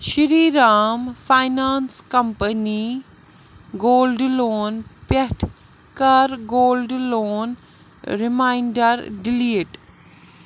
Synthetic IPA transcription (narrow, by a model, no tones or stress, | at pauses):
ʃiɾiːɾaːmfajnaːnskɐmpəni | ɡoːlɖloːnpɐʈʰ | kɐɾɡoːlɖloːn | ɾimaːiɳɖɐɾɖiliːʈ